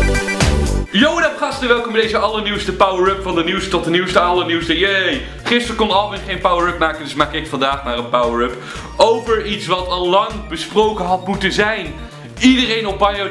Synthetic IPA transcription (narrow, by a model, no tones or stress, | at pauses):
jowənapχɑstənəʋɛlˠkɔmbɛdejzəɑlˠəniwstəpawəɹəpfɑndəniwstɔt̚dəniwstəɑlˠəniwstəjej | χɪstəɹkɔnɑlˠʋɪnχejnpawəɹɛp̚maːkəndɪsmaːkɪkfɑndaːχnaːrənpawəɹəp | ʔowpəɹitsʋɑtɑlɑŋbəsprowkənɦɑt̚mutənzɛjn | idərejnɔp̚bɑjo